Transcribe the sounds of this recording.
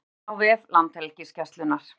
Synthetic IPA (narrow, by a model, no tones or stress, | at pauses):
awvɪðlant̪hɛlcɪscɛst̪lʏnaɾ̥